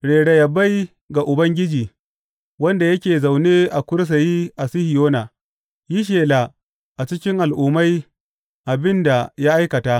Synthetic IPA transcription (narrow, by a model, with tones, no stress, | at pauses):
ɽeː˨ɽe˨jɐ˨ba˦j | ɡa˨ʔʊ˨bɐ˦ŋɡʲɪ˦d͡ʒiː˨ | wɐ˦nda˨jɐ˦kʲeː˨za˨wneː˦ʔa˨kʷʊ˦ɾs̬a˨ji˦ʔa˨sɪ˦hɪ˨joː˦naː˨ | ji˦ʃeː˨la˨ | ʔa˨t͡ʃɪ˦kʲɪ˦ŋʔa˨lʔʊː˨ma˦j | ʔa˨bɪ˦nda˨ja˦ʔa˦jkɐ˨taː˦ʔ